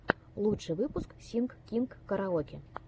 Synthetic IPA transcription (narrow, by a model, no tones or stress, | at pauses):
lˠut͡ʂɨvɨpusksʲinkkʲinkːɐɾaɔkʲi